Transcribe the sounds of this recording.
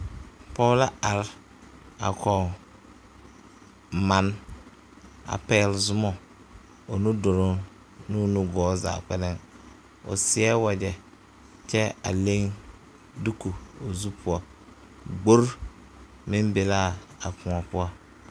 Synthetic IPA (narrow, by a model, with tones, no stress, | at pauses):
pɔ˦la˦a˨ɾ | a̰˨kʰɔ˨ | ma˨n | a̰˨pɛ˨lzʊ˦mɔ˦ | o˨nu˦dʊ˨ɾʊ˦ | nʊ˦˨nu˦ɡɔː˨˦za̰ː˨k͡pɛ˦lɪ˦ŋ | o̰˨sɪ˨˦ɛ˦wa˨d͡ʒɛ˨ | t͡ʃɛ˦a̰˨le˦ŋ | du˦ku˨o˨zu˦pʰʊ˨˦ɔ˨ | ɡ͡bo˦ɾ | mɪ̃˦mbe˨la˦˨a˨kʰʊ̃˨a˨pʊ˦a˦